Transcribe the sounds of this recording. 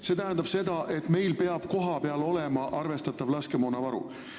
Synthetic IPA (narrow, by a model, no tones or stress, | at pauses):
se̞ːt̪æɦænd̪̥ɑb̥se̞d̪̥ɑʔe̞t̪me̞jlpe̞ɑb̥̚ko̞ɦɑpe̞ɑlo̞le̞mɑʔɑrve̞st̪ɑt̪ːˑɑvlɑskemoːnɑvɑɾṵ